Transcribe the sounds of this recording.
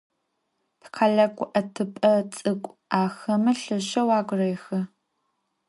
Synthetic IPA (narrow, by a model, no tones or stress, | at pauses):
pʰqʰaɮɐkʷʼʊʔɐtʰɨpʼɐt͡sʼɨkʷʼaːxɐmɨɬɨɕɐwaːɡʷʼʊrejxɐ